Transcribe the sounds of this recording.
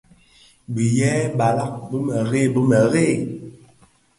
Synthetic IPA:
bi˨jɛː˦ba˨la˦k̚bə˦mə˨ɣe˦˨bə˦mə˨ɣe˦˨

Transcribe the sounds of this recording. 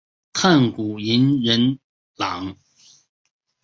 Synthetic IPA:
kʰa˥˩nku˨˩i˧˥nɻə˧˦n | la˨˦ŋ

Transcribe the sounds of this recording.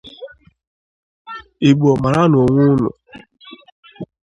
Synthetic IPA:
i˨ɡ͡bɔ˨ma˨ɾa˦n˨o˨ŋʷʊ˦nʊ̰˨

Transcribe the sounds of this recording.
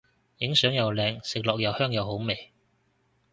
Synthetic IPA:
jɪ˨˥ŋsœː˨˥ŋjɐ˨wlɛː˨˧ŋsɪ˨k̚lɔː˨k̚jɐ˨whœː˥ŋjɐ˨who˨˥wme˨j

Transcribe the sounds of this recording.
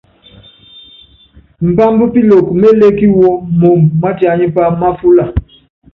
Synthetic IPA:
m̩˨pa˦mbu˦pi˦lo˨kme˦le˦ki˦wɔ˦mo˨mːa˦ta˨ɲi˦pa˦ma˦fu˦la˨

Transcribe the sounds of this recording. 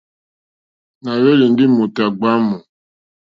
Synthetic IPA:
na˨we˦li˨n̩˦dɪ˦mu˨ta˨ɡ͡ba˦mu˨

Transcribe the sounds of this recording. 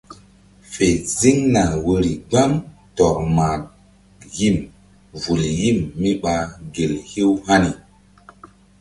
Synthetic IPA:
fe˨zi˦ŋna˨wə˧ɾi˨ɡ͡ba˦mtɔ˨ɾma˨ | ji˦˨m | vu˨lji˦˨mːi˦ɓa˨ɡe˨lhi˦wha˦ni˨

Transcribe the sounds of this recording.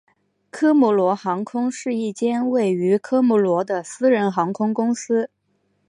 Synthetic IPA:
kʰɤ˥mu˧˥lwɔ˧˥xɑ˧˥ŋkʰʊ˥ŋʂɻ̩˥˧i˥˩t͡ɕjɛ˥nwe˥˩ɪy˧˥kʰɤ˥mu˧˥lwɔ˧˥d̪ə˧sɹ̩˥ɻə˧˥nxɑ˧˥ŋkʰʊ˥ŋkʊ˥ŋsɹ̩˥

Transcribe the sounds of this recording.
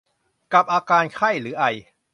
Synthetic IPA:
ka˨˩p̚ʔaː˧kaː˧nkʰa˥˩jɾɯː˩˦˥ʔa˧˩j

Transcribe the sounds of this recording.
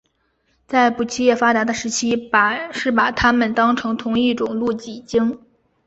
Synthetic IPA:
t͡sa˥˩ɪpu˨˩t͡ɕʰi˥jɛ˥˩fa˥t̪a˧˥d̪ə˧ʂɻ̩˧˥t͡ɕʰi˥pʂɻ̩˥˩pa˨˩t̪ʰa˥mə˨nt̪ɑ˥ŋʈ͡ʂʰɤ˧˥ŋt̪ʰʊ˧˥ŋi˥˩ʈ͡ʂʊ˨˩ŋlu˥˩t͡ɕi˨˩t͡ɕi˥ŋ

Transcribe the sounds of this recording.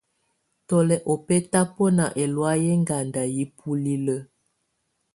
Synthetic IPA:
tɔ˨lɛ˨ʔɔ˨pɛ˦ta˦pɔ˦na˨ʔɛ˨lwa˦jɛ˦ŋɡa˨nda˨ji˦pʰu˦li˦lə˦

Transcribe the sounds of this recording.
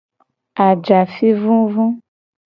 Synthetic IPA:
a˨d͡ʒa˨fi˦vũ˦vũ˦

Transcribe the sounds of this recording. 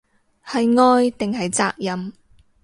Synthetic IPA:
hɐ˨jŋɔː˧jt̪ɪ˨ŋɦɐ˨jt͡sa̰ː˧k̚jɐ˨m

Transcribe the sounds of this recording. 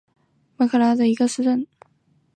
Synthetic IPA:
ma˧˥kʰɤ˥˧la˥d̪ə˨i˧˥ɡə˧sɻ̩˥˧ʈ͡ʂə˥˩n

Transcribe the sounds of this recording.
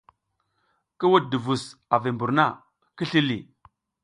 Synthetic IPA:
ki˦wu˦t̚di˨vu˨sa˨vi˨mbu˨ɾna˦˨ | ki˦ɬi˦li˨

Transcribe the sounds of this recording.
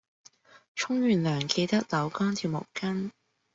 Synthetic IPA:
t͡ʃʰʊ˥ŋɥyː˨˩nlœː˨˩ŋke˧jt̪ɐ˥k̚lɐ˨˥wkɔː˥nt̪ʰiː˨˧wmʊ̰˨˩wkɐ˥n

